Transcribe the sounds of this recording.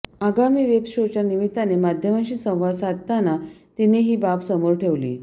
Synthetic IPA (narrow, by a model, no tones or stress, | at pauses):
aɡamiːʋebɕot͡ɕjanimit̪ːanemad̪ʱjəmat͡ɕiːsə̃w̃ʋasat̪t̪ːanat̪ineɦiːbapsəmoɾʈʰeʋlḭː